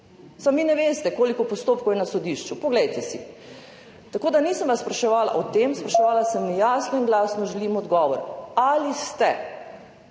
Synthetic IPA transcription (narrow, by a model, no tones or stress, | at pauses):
samʋiːnɛʋeːst̪ɛkoːlikɔpɔst̪oːpkowjɛnasɔd̪iʃt͡ʃupɔɡlɛjt̪ɛsḭ | t̪akoːd̪aniːsəmʋasːpɾaʃɛʋaːla̰ʔɔt̪emspɾaʃɛʋaːlasəmnijasnɔinɡlasnɔʒɛliːmɔd̪ɡɔːʋɔɾalist̪ɛ